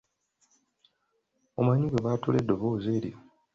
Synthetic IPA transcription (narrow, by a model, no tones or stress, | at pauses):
omaɲuɡeβaːtulḛdːoβoːze̞ːɾḭo